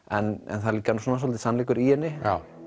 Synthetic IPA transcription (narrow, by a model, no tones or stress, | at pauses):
ɛnɛ̰nθaðliːkanusoːnasɔlt̪ɪsanliːkʏɾihɛnːɪa